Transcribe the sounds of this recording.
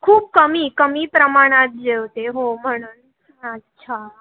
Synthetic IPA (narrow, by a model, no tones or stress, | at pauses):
kʰuːp̚kəmikəmiːpɾəmaɽ̃at̪̚d͡ʑewt̪eɦom̤əɽ̃un | ət̪t͡ɕʰa